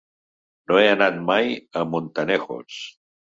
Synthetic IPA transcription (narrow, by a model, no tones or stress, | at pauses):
noeənat̪̚majəmont̪ənexo̰s